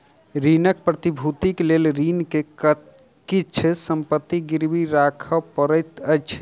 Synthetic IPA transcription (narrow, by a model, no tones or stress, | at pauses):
ɾinək̚pɾət̪ibʱut̪iklelɾinke | kitt͡ʃʰɛsəmpət̪ːiɡiɾbiɾakʰəpəɾəjt̪əjt͡ʃʰɛ̥